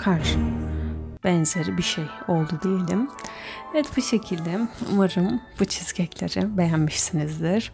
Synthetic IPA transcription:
kʰaɾʃɯ | bɛnze̞ɾibiʃejo̞lˠd̪ud̪ijelʲḭm | ɛt̪buʃe̞cʰilʲd̪ɛṵmaɾɯmb̥ut͡ʃʰiz̥cɛcʰlʲeɾibe̞jænmiʃsinizd̪iɾ̥

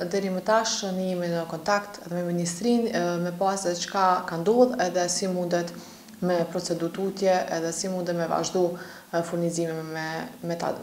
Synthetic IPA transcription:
d̪ɛɾimət̪aʃniminəkɔnt̪akt̪ɛðɛmɛminist̪ɾinmɛpasɛt͡ʃkakand̪ɔðɛðɛsimund̪ɛt̪ | mɛpɾɔt͡sɛd̪uɾt̪ut̪jɛʔɛðɛsimund̪ɛt̪mɛva̰ʒd̪u | fuɾnizimiɛmɛt̪a̰d̪̰

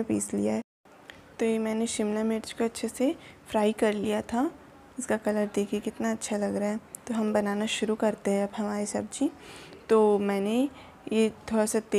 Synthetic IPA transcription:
epḭːslijaɦɛ | t̪oːjemɛ̃ːneʃɪmnamɪʈd͡ʒkoɐtːʃʰesefɾaːikɐɾlijat̪ʰa | ɪskakɐləɾd̪eːkʰiekɪt̪naɐtːʃʰalɐɡɾɐaɦɛːt̪oɦɐmbɐnaːnaʃʊɾukɐɾt̪eɦɛ̃ɐbɦɐmaːɾesɐb̚d͡ʒit̪oːmɛ̃ːne | jet̪ʰoːɽasat̪ː

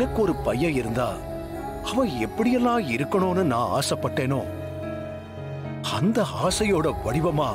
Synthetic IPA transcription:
nɐkːɯɔɾɯpɐjːɐ̃ɪɾɯnd̪a̰ː | ɐʋɐ̃ɛpːɐɽɪjɐlːãːɪɾɯkːɐɳoːnːɯnãːa̰ːsɐpːɐʈːeːnoː | ɐnd̪ɐaːsɐjoːɽɐʋɐɽɪʋɐmaː

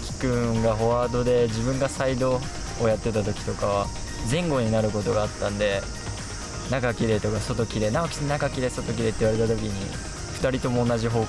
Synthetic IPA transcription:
kʲi̥kɯ̟̃ɡaɦo̞aːd̪o̞d̪e̞d͡ʑibɯ̟̃ŋɡasaid̪o̞ː | jat̪ːe̞t̪at̪o̞kʲi̥t̪o̞kaβa | zẽ̞ŋɡo̞ɲ̟inaɾɯ̟kot̪o̞ɡaːt̪ːãnd̪e̞ | nakakʲiɾe̞t̪o̞kaso̞t̪o̞kʲiɾe̞naokʲi̥nakakʲiɾe̞so̞t̪o̞kʲiɾe̞t̪ːeiβaɾe̞t̪at̪o̞kʲiɲ̟ḭ | ɸɯ̟̥t̪aɾʲit̪o̞mo̞ːnːaʑiɦo̞ː

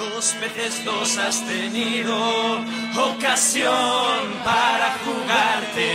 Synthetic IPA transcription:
ospeðezðosast̪eniðo | okasjompaɾakuɣaɾt̪e

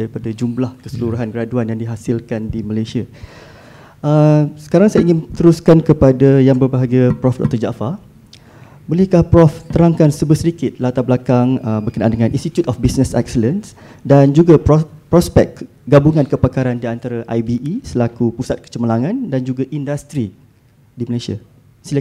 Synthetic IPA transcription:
aɾipadad͡ʒumlahkəsəluɾuɦanɡəɾaduanjaŋdiɦasilkandiməlajsia | ʔəsə̥kaɾaŋsajaiŋɪnt̪əɾuskankəpadajaŋbərbaɦaɡapɾɔfdɔ̰k̚t̪ɔrd͡ʒa̰fa | bolɪhkahpɾɔft̪əɾaŋkansəbəsədikɪt̪̚lat̪abəlakaŋəbərkənaʔa̰ndəŋãnʔĩnst̪it̪jut̪ɔfbisnəsɛ̰k̚sələns | dand͡ʒuɡappɾɔspɛk̚ | ɡabuŋankəpakaɾandiant̪aɾaʔajbiʔisəlakupusat̪̚kə̥t͡ʃəməlaŋãndand͡ʒuɡaʔindast̪ɾi | diməlasia̰ | sila

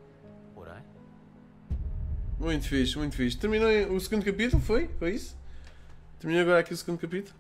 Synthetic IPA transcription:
pɔɾɐ̰̃j̃ | mũj̃t̪ufiʃmũj̃t̪fiʃt̪t̪ɨɾminojusɨɣũnd̪ukɐpit̪ulˠfojfojisu̥ | t̪ɨɾminojɐɣɔɾakiusɣũnd̪kɐpit̪ulˠ

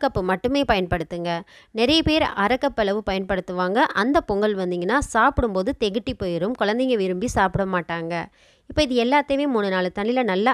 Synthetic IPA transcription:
kːɐpːɯmɐʈːɯmeːpɐjɐnpɐɽɯt̪ːɯŋɡɐnɪɾɐjɐpeːɾɐɾɐkːɐpːɐɭɐʋɯpɐjɐnpɐɽɯt̪ːɯʋaːŋɡɐʔɐnd̪ɐpɔŋɡɐlʋɐnd̪iːŋɡɐnːaːsaːpɯɽɯmpoːðɯt̪ɛɣɯʈːipoːjɪɾɯmkʊɻɐnd̪ɛŋɡɐʋɪɾɯmbisaːpɪɽɐmaːʈːaːŋɡɐ | ɪpːoːɪðɯɛlːaːt̪ːɐʋeːmuːɳɯnaːɭɯt̪ɐɳːɪlɐnɐlːɐ

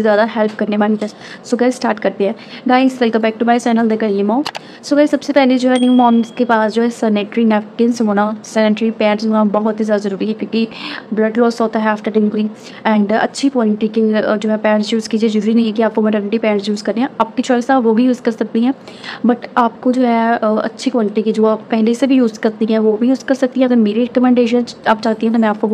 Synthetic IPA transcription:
ezjaːd̪aɦɛlp̚kɐɾnemaːnɪfɛsʈ | sʊɡaːisʈaːɾʈkɐɾt̪eɦɛ̃ː | ɡaːɪ̃ŋsʈɛlkɐbɛːk̚ʈumaːɪsaːnəld̪ekəlimãː | sʊɡaisɐbsepɛːled͡ʒoːɦɛːnĩmɔːmskepaːsd͡ʒoːɦɛsəneʈɾinɛfʈɪnsʋoːnãːsɛnɪʈɾipɛ̃ːʈsɦoːnãbɔɦt̪sezjaːd̪azəɾuːɾiɦɛkjõːkibləɖlɔːsɔːt̪ɦɛaːfʈəɾɖɪŋkɾi | ɛ̃ːɳɖɐ̰tːʃʰikʋaːlɪʈiked͡ʒoːɦɛpɛːɳsjuːzkiːd͡ʒied͡ʒəɾuːɾinɐ̃ĩɦɛːkiaːp̚komɛʈənʈipɛ̃ːɳsjuːzkɐɾd̪ẽɦɛ̃ːaːp̚kit͡ʃɔːɪsaʋoːbʱijuːzkɐɾsɐk̚t̪iɦɛ̃ːbɐʈaːp̚kod͡ʒoːɦɛɐ̰tːʃʰikɔːlɪʈiked͡ʒoːaːpːɛɦlesebʱijuːzkɐɾt̪ĩɦɛ̃ːʋoːbʱijuːzkɐɾsɐk̚t̪ĩɦɛ̃t̪ɐmeːɾiɾɛkəmɛ̃ɳɖeːʃənaːpt͡ʃaːt̪iɦɛ̃k̪imɛ̃aːp̚ko

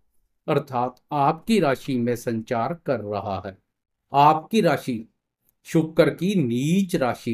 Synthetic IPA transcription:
ɐɾt̪ʰaːt̪aːpkiɾaːʃimẽsə̃ɲt͡ʃaːɾkɐɾːɐɦa̰ɦɛː | aːpkiɾaːʃi | ʃʊkːəɾkiniːt͡ʃɾaːʃi

